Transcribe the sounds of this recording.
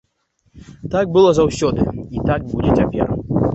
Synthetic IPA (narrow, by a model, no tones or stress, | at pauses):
t̪aɡ̚bɨlˠɔzawsʲɔd̪ɨit̪aɡ̚bud͡zʲɛt͡sʲapʲɛ̰r